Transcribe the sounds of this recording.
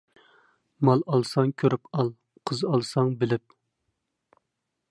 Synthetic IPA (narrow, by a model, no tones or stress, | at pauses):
mɑlˠɑlˠsɑŋkʲʰøɾypɑlˠ | qʰəzɑlˠsɑŋbɪlɪp̚